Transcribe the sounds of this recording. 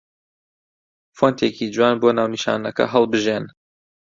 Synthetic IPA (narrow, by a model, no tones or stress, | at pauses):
font̪ʰeːcid͡ʒwaːnboːnaːwniʃa̰ːnɐkɐ̰ɦɐlˠbɨʒeːn